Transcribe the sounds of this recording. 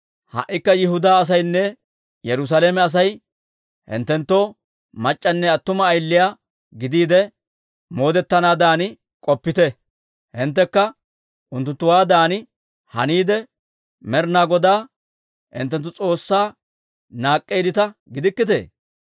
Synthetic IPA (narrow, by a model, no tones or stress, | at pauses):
hɐ̰ʔːɪkːɐjɪɦʊd̪aːɐs̬ɐjnːɛ | jɛɾʊs̬aleːmɛɐs̬ɐj | hɪ̰nt̪ːɛnt̪ːoː | mɐt͡ʃʼːɐnːɛɐt̪ːʊmɐːjlːɪjaː | ɡɪd̪iːd̪ɛ | mo̞ːd̪ɛt̪ːɐnaːd̪aːnɪ | kʼɔpːɪt̪ɛ | hɪnt̪ːɛkːɐ | ʔʊnt̪ːʊnt̪ːʊwaːd̪aːnɪ | hɐniːd̪ɛ | mɛɾnaːɡɔd̪aː | hɪ̰nt̪ːɛnt̪ːʊt͡sʼo̞ːsːaː | naːkʼːejd̪ɪt̪ɐɡɪd̪ɪkːɪt̪ḛː